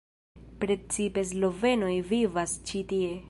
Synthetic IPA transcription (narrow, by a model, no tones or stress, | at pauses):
pɾe̞t͡sipe̞slo̞ve̞no̞jvivast͡ʃitie̞